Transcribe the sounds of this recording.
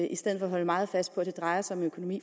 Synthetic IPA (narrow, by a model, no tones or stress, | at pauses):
ʔisd̥eð̰ˠfɒɦɒ̽ləmɑ̈ːð̞̩ˠfæsd̥̚pʰɒ̽æd̥e̝d̥ʁɑ̈ɪɐsaɒ̽mnøkʰo̝no̝mḭː